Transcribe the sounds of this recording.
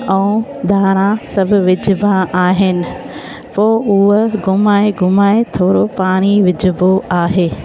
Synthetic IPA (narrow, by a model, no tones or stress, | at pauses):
ɛũd̪ʱaːɾ̃ãsɐbʱʊ̆ʋɪd͡ʑʱbaʔaːɦɪnɪ̆ | poːʊɦɡʱʊmaːeɡʱʊmaːet̪ʰoːɾopaːɽ̃iʋɪd͡ʑʱʊboaːɦeː